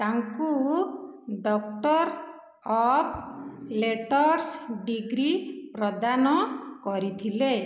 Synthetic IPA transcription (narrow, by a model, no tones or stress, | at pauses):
t̪aŋku | ɖɔk̚ʈɔɾ | ɔpʰleʈɔɾsɖiɡɾipɾɔd̪anɔkɔɾit̪ʰile